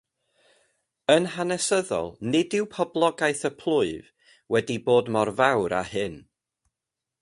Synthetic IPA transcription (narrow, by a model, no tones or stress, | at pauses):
ənhanɛsəðɔ̰lˠnɪdɪwpʰɔblˠɔɡajθəpʰl̥ˠʊɨv | wɛdiboːdmɔrvawɾa̰hɨn